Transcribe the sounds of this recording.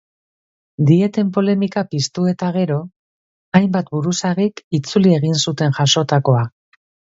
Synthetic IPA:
d̪ie̞t̪e̞mpo̞le̞mikapist̪ue̞t̪aɣ̞e̞ɾo̞ | ajmbat̪buɾusaɾikit͡sulie̞ɣ̞insut̪e̞nʝaʃo̞t̪ako̞a

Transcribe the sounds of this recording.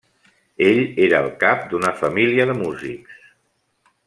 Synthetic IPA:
eʎeɾəːlˠkap̚d̪unəfəmiliəðəmuziks

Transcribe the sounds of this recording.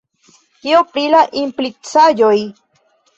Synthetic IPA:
keopɾilaʔimplit͡sajoj

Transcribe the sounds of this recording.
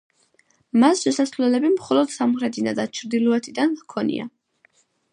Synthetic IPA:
masʃɛsasvlɛlɛbimχɔlɔd̪̥samχɾɛt̪ʰinad̪at͡ʃʰɾd̪ilˠɔɛt̪ʰid̪ankʰɔnḭa̰

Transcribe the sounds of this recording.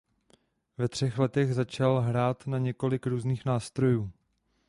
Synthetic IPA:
vɛt̪r̝̥ɛxlɛt̪ɛɣzat͡ʃalɦɾaːt̪naɲɛko̞lɪkɾuːzniːxnaːst̪ɾo̞juː

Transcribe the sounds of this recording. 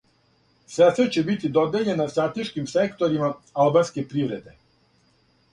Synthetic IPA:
sɛsɛt͡ɕebit̪id̪od̪eʎenːast̪ɾat̪eʃkimsekt̪oɾimaalˠbanskepɾiʋɾed̪e

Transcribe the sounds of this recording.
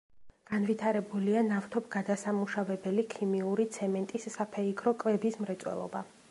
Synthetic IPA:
ɡ̥anvit̪ʰaɾɛbulianaft̪ʰɔpɡad̪asamuʃavɛbɛlikʰimiuɾit̪sʰɛmɛnt̪ʼisːapʰɛiɡɾɔkʼvɛbismɾɛt̪sʼwɛ̰lˠɔ̰ba

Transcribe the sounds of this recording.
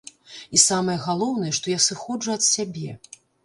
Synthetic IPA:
isamɐjɛɣalˠɔwnɐjɛʂt̪ɔjasɨxɔd͡ʐuɐt̪sʲabʲɛ

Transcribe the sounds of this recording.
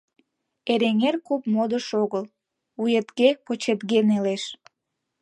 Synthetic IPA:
eɾeŋerkupmod̪əʃoɣəl | ujet̪ɣepot͡ɕet̪ɣeneleʃ

